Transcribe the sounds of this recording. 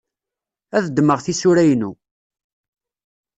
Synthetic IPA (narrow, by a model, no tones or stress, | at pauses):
æðd̪ːməʁθisʊɾæjnu